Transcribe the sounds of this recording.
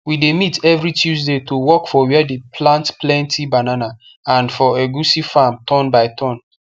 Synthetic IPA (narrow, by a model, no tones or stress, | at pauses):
widemitɛvɹitʰjuzdetowɔkfɔwɛdepʰlãntplɛ̃ntʰibanana | ãnfɔɛɡusifamtʰɔ̃nbaɪtʰɔ̃n